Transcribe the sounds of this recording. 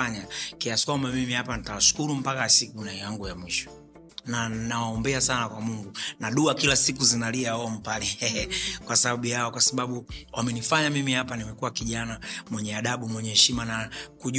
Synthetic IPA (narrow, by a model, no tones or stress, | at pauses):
aɲakiasi̥kwambamimihapanitawaʃu̥kuɾum̩pakasikunaɛjaŋɡujamwiʃɔ̥ | nanawaɔmbɛasanakwamuŋɡunaɗuakilasikuzinaliaɔm̩palɛɛkwasaɓaɓujaɔkwasaɓaɓuwamɛnifaɲamimihapanimɛkuwakiʄanamwɛɲɛaɗaɓumwɛɲɛhɛʃimanakuʄ